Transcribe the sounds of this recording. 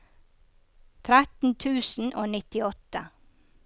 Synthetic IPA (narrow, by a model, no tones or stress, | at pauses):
t̪ʰɾæt̪n̩t̪ʰʉːsn̩ʔoːnɪt̪ɪɔt̪ə